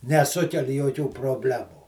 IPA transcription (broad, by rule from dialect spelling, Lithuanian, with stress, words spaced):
nʲɛˈsʊkʲɛlʲ joːˈkʲuː proːˈbʲlʲæːmuː